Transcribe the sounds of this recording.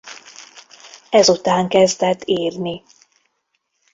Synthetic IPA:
ɛzut̪aːŋkɛzd̪ɛt̪ːiːrni

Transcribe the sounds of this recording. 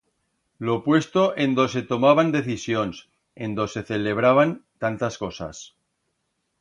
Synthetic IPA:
lo̞pwe̞st̪o̞ʔe̞nd̪o̞s̬e̞t̪o̞maβ̞and̪e̞θisjo̞ns | e̞nd̪o̞se̞θele̞β̞ɾaβ̞ant̪ant̪asko̞sa̰s

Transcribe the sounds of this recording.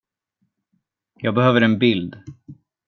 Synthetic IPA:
jɑːɡ̚bɛhøːvəɾɛnbɪld̪

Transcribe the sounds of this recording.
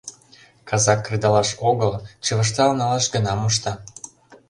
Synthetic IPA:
kɑzɑkːrid̪ɑlɑʃoɣəlt͡ɕəβəʃ̬t̪ɑlnɑlɑʃɡənɑmuʃ̬t̪ɑ

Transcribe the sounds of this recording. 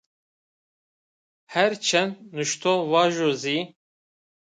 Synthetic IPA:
hɛɾt͡ʃʰɛnnuʃt̪ʰovɑːʒozi

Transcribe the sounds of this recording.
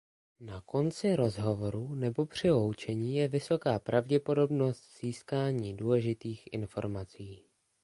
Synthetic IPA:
nako̞nt͡sɪɾo̞zɦo̞vo̞ɾunɛbo̞pr̝̥ɪlo̞wt͡ʃɛɲiːjɛvɪso̞kaːpɾavɟɛpo̞do̞bno̞st̪z̥iːskaːɲiːduːlɛʒɪt̪iːxʔɪ̰nfo̞̰ɾmat͡siː

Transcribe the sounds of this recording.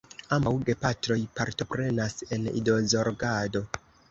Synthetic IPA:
ambawɡe̞patɾo̞jpaɾto̞pɾe̞nase̞nḭdo̞zo̞ɾɡado̞

